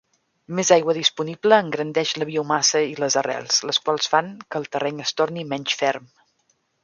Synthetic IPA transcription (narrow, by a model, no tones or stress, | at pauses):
mezajɣwəðispunibləːŋɡɾənd̪ɛʃləβiəumasəiləzərɛ̰lˠsləskwalˠsfaŋkəːlˠt̪ərʔɛɲəst̪ornimɛɲʲt͡ʃfɛrm